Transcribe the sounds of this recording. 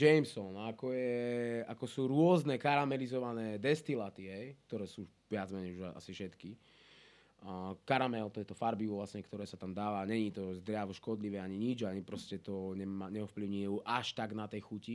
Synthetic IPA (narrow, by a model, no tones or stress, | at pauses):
d͡ʒɛjmsɔnakɔjɛakɔsuːɾʊɔznɛkaɾamɛlizɔʋanɛːd̪ɛst̪ilat̪iɦɛjk̚t̪ɔɾɛːsuː | ʋɪad͡zmɛɲɛjuʒaa̰sifʃɛt̪ki | kaɾamɛlt̪ɔjɛt̪ɔfaɾbiʋlasɲɛkt̪ɔɾɛːsat̪amd̪aːʋaɲɛɲit̪ɔzd̪ɾɪaʋɔʃkɔd̪liʋɛaɲiɲid͡ʒaɲipɾɔscɛt̪ɔɲɛmaɲɛɔfpliʊɲiɛuʔaʃt̪aɡnat̪ɛjxuci